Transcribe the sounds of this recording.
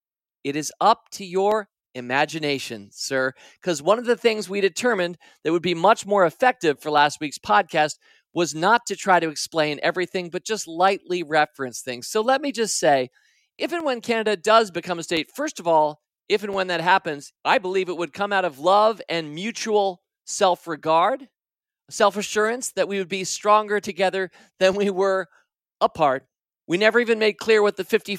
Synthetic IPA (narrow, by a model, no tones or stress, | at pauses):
ɨɾɨzʌp̚tʰɨjə˞ | ɨmæd͡ʒɨneɪʃɨ̃nsɜ˞ | kʰʌzwʌ̃nʌvðɨθɪ̃ŋzwiɾɨtʰɜ˞mɨ̃n | ðɨt̚wəd̚bimʌt͡ʃmɔɹɨfɛk̚tɨv̥fə˞læst̚wikspʰɑd̚kʰæst̚ | wʌznətʰɨtʰɹ̥aɪɾɨɨksplẽɪ̃nʔɛ̰vɹiθɪ̃ŋbʌt̚d̥ʒ̥ʌstˡlaɪʔˡliɹɛfɹɨ̃nsθɪ̃ŋz̥soʊlɛt̚mid͡ʒʌstseɪ | ʔɪvɨ̃nwə̃nkʰænɨɾɨdʌzbɨkʰʌ̃məsteɪtfɜ˞stʌvɔlˠ | ɪvɨ̃nwə̃nðɨt̚ɦæpɨ̃nz̥ʔaɪbəlivɨt̚wəd̚kʰʌ̃maʊɾʌvlʌvɨ̃nmjʉt͡ʃul̩ˠ | sɛlˠfɹɨɡɑɹd̥ | sɛlˠfɨʃʊɹɨ̃nsðɨt̚wiwɨd̚bistɹ̥ɔ̃ŋɡə˞ɾɨɡɛðə˞ | ðɨ̃nwiwə˞ | əpʰɑɹt̚ | winɛvə˞ivɨ̃nmeɪd̚kʰl̥ɪɹwɨðɨfɪfti